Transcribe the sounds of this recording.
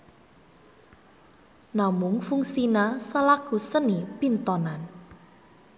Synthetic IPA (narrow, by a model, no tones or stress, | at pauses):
namʊŋfuŋsinasəlaɡ̥ṳsənipint̪ɔnan